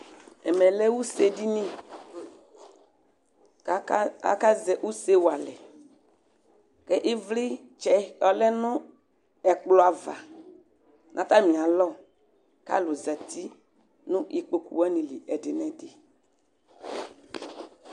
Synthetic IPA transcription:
ɛ˨mɛ˨lɛ˦wu˦se˦di˦nĩ˦ | a̰˦ka˦zɛ˨ʔu˦se˦wu˨a˨lɛ˨ | kɛ˦ʔi˦vli˦ | t͡ʃɛ˦ɔ˦lɛ˦nʊ̃˦ | ɛ˨k͡plɔ˨˦a˨va˨ | nʔã˨˦t̪a˦mĩ˨ã˨lɔ˦ | ka̰˦lʊ˨za˨t̪i˦ | nʊ̃˦ʔi˨k͡po˨kṵ˨wa˦nĩ˨li˨ʔɛ˨dɪ˨nɛ̃˦de˨

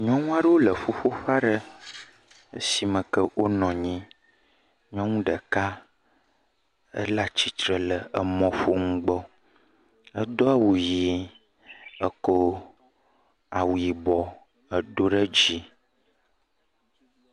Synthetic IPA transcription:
ɲɔ̃˦ŋũ˦a˦ɖə˦wo˦lə˨ɸu˦ɸo˦ɸa˦ɖə˦ | ə˦si˨mə̃˨kə˦wʔo˦nɔ̃˨ɲĩ˦ | ɲɔ̃˦ŋũ˦ɖə˨ka˦ | ə̰˦la˦t͡ɕi˨t̪ɾə˨lə˨ə˨mɔ̃˨fo˦ŋũ˦ɡ͡bɔ˦ | ə˦d̪ɔ˦a˦wu˨ji˨ | ə˦ko˦ | a˨wu˨ji˨bɔ˨ | ə˨ɖo˦ɖə˦d͡ʑi˦

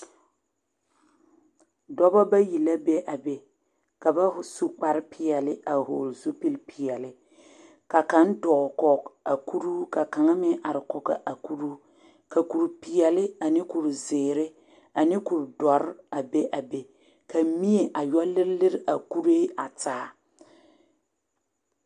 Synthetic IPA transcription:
dɔ˦bɔ˦ba˦ji˨la˦be˦ʔa˨be˨ | ka˨ba˦hʊ˦su˦k͡pa˦ɾɪ˦pʰɪ˦˨ɛ˨lɪ˦a˨ɦo̰˨lzu˦pi˦lpʰi˨ɛ˨lɪ˦ | ka˨ka˨˦n˦dɔː˨kɔ˨ka˨ku˦ɾuː˦ka˨ka˨ŋa˦mɪ˦ʔa˨ɾɪ˨kɔ˨ɡa̰˦˨ʔa˨ku˦ɾu˦ | ka˨ku˨ɾpɪ˨ɛ˨lɪ˦a˨nɪ˦ku˨ɾzɪː˨ɾɪ˦ | a˨nɪ˦ku˨ɾdɔ˨ɾɪ˦a˨be˦ʔa˨be˨ | ka˨˦mi˦e˨ʔa˨jɔ˦lɪ˦ɾlɪ˦ɾɪ˦ʔa˨ku˦ɾeː˦a˨taː˦

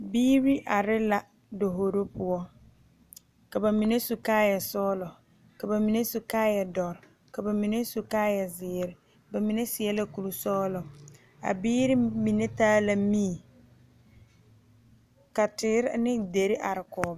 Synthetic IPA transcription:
biː˦ɾi˦ʔa˨ɾɪ˦la˨ | do˨ɦo˨ɾo˦pʊ˨ɔ˦ | ka˨ba˨mi˨ne˦su˨kaː˦jɛ˨sɔː˦lɔ˨ | ka˨ba˨mi˨ne˦su˨kaː˦jɛ˨dɔ˨ɾ | ka˨ba˨mi˨ne˦su˨kaː˦jɛ˨zɪː˨˦ɾɪ˦ | ba˨mi˨ne˦sɪ˨ɛ˦la˨ku˨lu˨sɔː˦lɔ˨ | a̰˨biː˦ɾɪ˦mi˨ne˦taː˦la˨miː˦˨ | ka˨tɪ˨˦ɾnɪ˦de˨ɾɪ˦ʔa˨ɾɪ˨kɔː˨˦ba˦

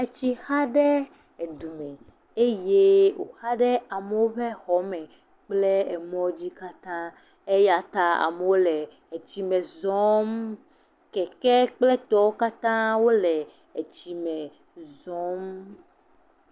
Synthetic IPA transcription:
e˨t͡ɕi˦ha˦ɖɛ˦ | e˨d̪u˨mɛ̃˨ | e˦je˦wo̰˨xa˦ɖɛ˦a˨me˨wo˦ɸe˦xɔ˦mɛ̃˨ | k͡ple˦e˨mɔ̃˦d͡ʑi˦ka˦t̪ã˦ | e˦ja˨t̪a˨a̰˨me˨wo˦lɛ˨ | e˨t͡ɕi˨mɛ̃˨zɔ˦m | kɛ˨kɛ˦k͡ple˦t̪ɔ˦wo˦ka˦t̪ã˦wo˦lɛ˨ | e˨t͡ɕi˨mɛ̃˨ | zɔ̃˦m

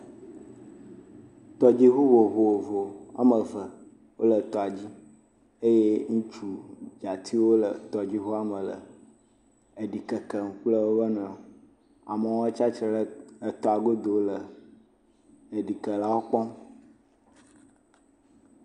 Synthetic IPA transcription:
t̪ɔ˨d͡ʑi˦ɦu˦wo˨βo˨wo˨vo˨a̰˦mə˨və˨ | wo˦lə˨t̪ɔ˨a˨d͡ʑi˦ | e˦je˦ŋũ˦t͡ʃu˨d͡ʒa˨t̪ʰi˦wo˦lə˨t̪ɔ˨d͡ʑi˦ɦu˦a˦mə˨lə̰˨ | ə˨ɖi˨kə˨kə˨ŋ̩˦k͡plə˦wo˦bə˦nə̃˨o˨ | a̰˨mə˨wo˦t͡ʃa˦t͡ʃɾə˨ɖə˦ə˨t̪ɔ˨a˨ɡo˦d̪o˨wlə˨ | ə˨ɖi˨kə˨la˦wo˦k͡pɔ˦m

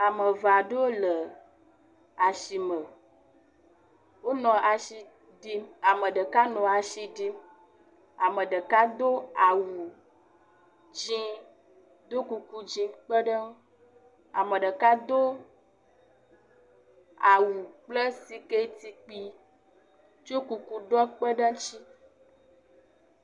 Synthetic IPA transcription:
a˨mə˨va˨ɖe˦wo˦lə˨ | a˨ʃi˨mə˨ | wo˦nɔ̃˨ʔa˨ʃi˨ | ɖi˦a˨mə˨ɖə˨ka˦nɔ̃˨a˨ʃi˨ɖi˦ | a˨mə̃˨ɖə˨ka˦d̪o˦a˨wu˨ | d͡ʒĩ˦ | d̪o˦ku˨ku˦d͡ʒĩ˨k͡pə˦ɖə˦ | a˨mə̃˨ɖə˨ka˦d̪o˦ | a˨wu˨k͡plə˦si˨ke˦t̪i˨k͡pi˨ | t͡ʃo˦ku˨ku˦ɖɔ˦k͡pə˦ɖə˦t͡ʃi˦

